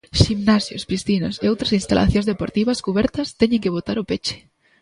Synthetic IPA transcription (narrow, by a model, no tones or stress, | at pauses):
ʃimnasjo̰spɾist̪inoseowt̪ɾasinst̪a̰lʔa̰θjõnzðepoɾt̪iβaskuβɛɾt̪ɐst̪eɲẽŋkeβot̪aɾʊpet͡ʃe̥